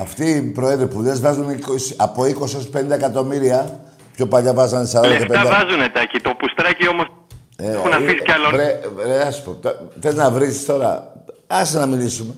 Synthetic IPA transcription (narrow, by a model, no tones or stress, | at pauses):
ɐft̪iːpɾoeðɾipuðe̞zvɐzunikosiɐpo̞iko̞sio̞spenid̪ɐekɐt̪o̞miɾiɐ | pço̞pɐʎɐvɐzɐnesɐɾod̪ɐkefpeɐvɐzunet̪ɐcit̪o̞pust̪ɾɐcio̞mos | eunɐfiscɐloɾeɾeɐsu̥pot̪ðeznɐvɾisi̥st̪o̞ɾɐ̰ɐsiznɐmilisume̞